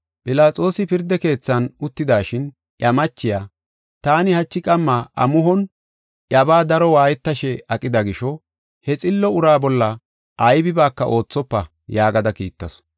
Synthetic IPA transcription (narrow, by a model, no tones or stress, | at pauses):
pʼɪlaːt͡sʼo̞ːsɪpɪɾd̪ɛke̞ːt͡sːɐnʊt̪ːɪd̪aːʃɪn | ʔjɐmɐt͡ʃːɪjaː | t̪aːnɪhɐt͡ʃːɪkʼɐmːaʔɐ̰mʊɦɔn | ʔɐbaːd̪ɐɾɔwaːjɛt̪ːɐʃɛɐkʼːɪd̪ɐɡɪʃɔ | hɛt͡sʼɪlːɔʊɾaːbɔlːɐ | ɐjbɪbaːkːɐʔo̞ːt͡sːɔpːɐ | jaːɡɐd̪ɐkḭːt̪ːɐs